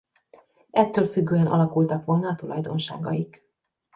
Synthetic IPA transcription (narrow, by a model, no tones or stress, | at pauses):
ɛt̪ːøːlfyɡːøːɛnʔɒ̰lɒkult̪ɒkʋo̞lnɒːt̪ulɒjd̪o̞̰nʃa̰ːɡɒjik